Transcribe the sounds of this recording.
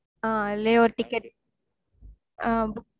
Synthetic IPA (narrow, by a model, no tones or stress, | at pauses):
aːleːoɾʈɪkːɐʈ | ab